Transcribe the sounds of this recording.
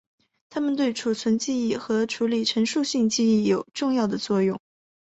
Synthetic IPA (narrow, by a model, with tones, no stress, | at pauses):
t̪ʰa˥mə˨nt̪we˥˩ɪʈ͡ʂʰu˨˩t͡sʰwə˧˥nt͡ɕi˥˧i˥˩xɤ˧˥ʈ͡ʂʰu˧˥li˨˩ʈ͡ʂʰə˧˥ŋʂu˥˧ɕi˥˧ŋt͡ɕi˥˧i˥˩jo˨˩ʊʈ͡ʂʊ˥˧ŋjɑ˥˩ʊd̪ə˩t͡swɔ˥˧jʊ˥˩ŋ